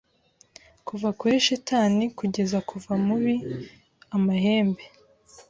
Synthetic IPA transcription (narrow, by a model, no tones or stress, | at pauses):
kuvakuɾiʃitaːnikuɟe̞zakʰuvamuβi | amaɦe̞ːmbe̞